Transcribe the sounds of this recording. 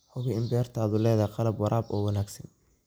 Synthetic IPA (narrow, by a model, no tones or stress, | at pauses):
ħʊɣɪɪmbɛːrt̪ʰaːðʊlɛːðaqɑlɐbwɑɾʔaːbɔːwɑnaːɡsɐn